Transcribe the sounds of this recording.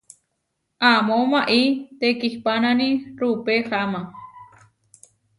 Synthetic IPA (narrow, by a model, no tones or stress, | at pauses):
ʔamomaʔit̪ekihpananĩɾupehama